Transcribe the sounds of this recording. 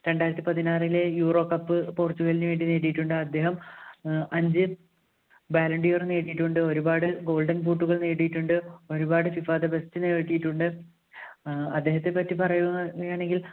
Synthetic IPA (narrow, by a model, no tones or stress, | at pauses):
ɾe̞ɳɖaːjɾɐt̪ːipɐðinaːrilejuːro̞ːkːɐpːɨpoːrt͡ɕːuɣelɲːuʋeːɳɖineːʈijiʈːuɳɖɨɐd̪ːe̞ːɦɐm | ɐɲd͡ʑɨ | baːlɐɳɖijorneːɽijiʈːuɳɖɨo̞ɾubaːɽɨɡo̞ːɭɖɐŋnp̬uːʈːuɣɐɭneːʈːijiʈːuɳɖɨo̞ɾubaːɽɨfifaːd̪ɐbestɨneʈːijiʈːuɳɖɨ | ɐd̪ːe̞ːɦɐt̪ːe̞pːɐtːipɐrɐjuɐɣɐjaːɳe̞ŋɡil